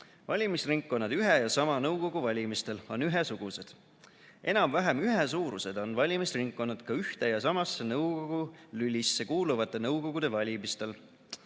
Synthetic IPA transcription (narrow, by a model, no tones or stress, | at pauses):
vɑlʲimisriŋkːˑo̞nːɑd̪̥yɦejɑsɑmɑnɤwko̞ɡ̥uvɑlʲimist̪e̞lo̞nyɦesuɡ̥use̞d̪̥ | ʔe̞nɑmvæɦemyɦesuːɾuse̞d̪̥o̞nvɑlʲimisriŋkːo̞nːɑd̪̥kɑyht̪e̞jɑsɑmɑsːenɤwko̞ɡ̥ulylʲisːe̞kuːluvɑt̪ːˑe̞nɤwko̞ɡ̥ud̪̥e̞vɑlʲimist̪e̞l